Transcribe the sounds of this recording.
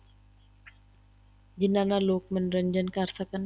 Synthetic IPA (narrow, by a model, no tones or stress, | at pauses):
d͡ʒinanalok̚mənɾəɲd͡ʒənkarsakan